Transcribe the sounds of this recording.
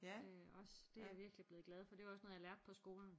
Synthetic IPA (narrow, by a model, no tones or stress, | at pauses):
ɒ̽sd̥e̝æʋiɐɡ̥lib̥le̝ːð̩ˠɡ̥lɛð̞ˠfɒ̽d̥e̝ɑɒ̽snɔð̩ˠjɑ̈læɐd̥̚pʰɒ̽sɡ̥o̝ːln̩